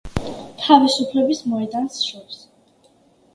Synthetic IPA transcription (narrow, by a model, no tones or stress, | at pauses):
t̪ʰavisupʰlɛbismɔɛd̪ansʃuɾs